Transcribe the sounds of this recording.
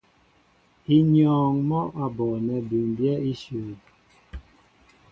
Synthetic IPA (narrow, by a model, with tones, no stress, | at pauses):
i˦ɲɔː˨ŋmɔ˦ʔa˨bɔ˨nɛ˨bu˨mbjɛ˦i˦suː˨